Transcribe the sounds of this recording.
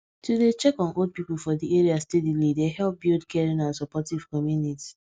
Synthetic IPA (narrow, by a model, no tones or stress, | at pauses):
tudet͡ʃɛkɔ̃nod̚pipulfɔdieɹiastedilidehɛlp̚bildkɛɹĩnãnsɔpɔtiv̥kɔmjuniti̥